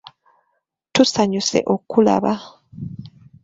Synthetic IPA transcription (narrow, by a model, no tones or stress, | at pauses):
tusaɲuse̞̰ʔokula̰βa